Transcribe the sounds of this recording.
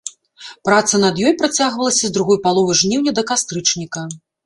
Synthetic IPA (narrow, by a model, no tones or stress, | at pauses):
pɾat̪sɐnɐd̪jɔjpɾat͡sʲaɣvɐlˠɐsʲɐzd̪ɾuɣɔjpalˠɔvɨʐnʲiwnʲɐd̪ɐkast̪ɾɨt͡ʂnʲikɐ